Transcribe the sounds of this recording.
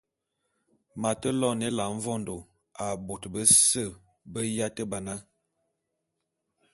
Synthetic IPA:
ma˨tə˦lɔ˦ne˦la˨ɱ̩˦vɔ˦ndo˨ | a˨bo˨tbə˦sə˦˨ | bə˦ja˦tə˦ba˨na˦

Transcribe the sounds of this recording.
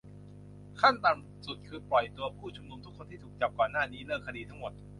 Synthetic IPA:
kʰa˥˩nt̪aː˨˧˩ŋ | su˨˩t̪̚kʰɯː˧plɔ˨˩jt̪u˧ɐpʰuː˥˩t͡ɕʰu˧mnu˧mt̪ʰu˦˥kʰːo˧nt̪ʰiː˥˩t̪ʰːk̚t͡ɕa˨˩p̚kɔː˨˩nːaː˥˩niː˦˥lɤː˥˩kʰːa˧diː˧t̪ʰa˦˥ŋmo˨˩t̪̚

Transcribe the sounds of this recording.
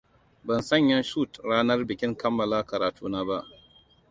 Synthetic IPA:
bɐ˨nsɐ˦˨ɲjɐ˦nʃuː˦˨tɽaː˦nɐ˦rbɪ˨kʲɪ˦ŋkɐ˦mːɐ˨laː˦kɐ˨ɾaː˨tʰuː˦naː˦ba˦ʔ

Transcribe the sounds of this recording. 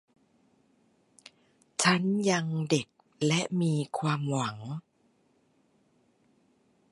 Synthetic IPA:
t͡ɕʰa˦˥nja˧ŋde˨˩k̚ | lɛ˦˥ʔmiː˧kʰwaː˧mwa˩˦ŋ

